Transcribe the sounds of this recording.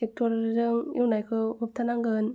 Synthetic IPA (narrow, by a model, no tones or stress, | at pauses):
ek̚tʰɔɾzɯŋjiwnajkʰɯup̚t̪ʰanaŋɡɯn